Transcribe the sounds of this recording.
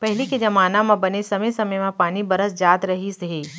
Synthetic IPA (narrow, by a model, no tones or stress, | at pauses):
pɛɦɪliked͡ʒɐmaːnamãbɐnesɐməjsɐməjmãpaːnibɐɾəsd͡ʒaːt̪ɾɐɦisɦeː